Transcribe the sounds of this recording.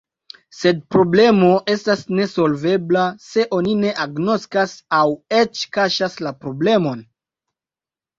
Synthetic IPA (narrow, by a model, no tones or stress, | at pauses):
se̞d̚pɾo̞ble̞mo̞e̞stasne̞so̞lve̞blase̞ʔo̞nine̞ʔaɡno̞skasawe̞t͡ʃkaʃaslapɾo̞ble̞mo̞n